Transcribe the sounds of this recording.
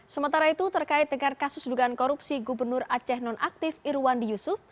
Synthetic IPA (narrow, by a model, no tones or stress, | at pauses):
səmənt̪aɾait̪ut̪ərkaɪt̪̚dəŋankasʊsdukaːnkɔɾupsiɡubərnʊrat͡ʃɛhnɔnʔak̚t̪ɪfiɾwandijusʊf